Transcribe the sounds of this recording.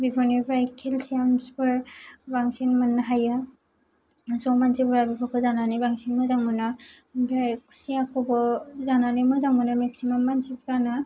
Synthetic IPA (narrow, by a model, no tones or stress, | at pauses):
bibʰɔnibɾajkʰelsiamsbɯɾbaŋsinmɯnɦaja | zɔmansibɾabibʰɔkʰɯzananibaŋsinmɯzaŋbɯna | bɾajkʰu̥siakʰɔbɔzananimɯzaŋbɯnameksimamːansibɾana